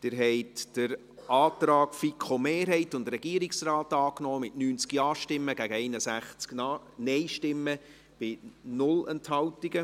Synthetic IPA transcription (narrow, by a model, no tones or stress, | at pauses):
d̥ɪɾɦɛɪtd̥əɾ | ɑːtrɑːɡfikʰχomeːɾɦɛɪtʊndrɛɡ̥iəɾiksraːtɑːknɔːmɪtnyːnt͡skiɑːʃtɪmːəɡ̥æɡəɛɪnəsæχt͡skː | nɛɪʃtɪmːə | b̥ɪnʊlɛnthɑwtiɡə